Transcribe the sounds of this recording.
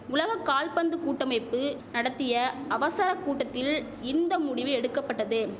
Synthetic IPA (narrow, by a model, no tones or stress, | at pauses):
ʊlɐɣɐkːaːlpɐnd̪ɯkuːʈːɐmɐɪpːɯ | nɐɽɐt̪ːɪjɐɐʋɐsɐɾɐkːuːʈːɐt̪ːɪl | ɪnd̪ɐmʊɽɪʋɯɛɽɯkːɐpːɐʈːɐðɯ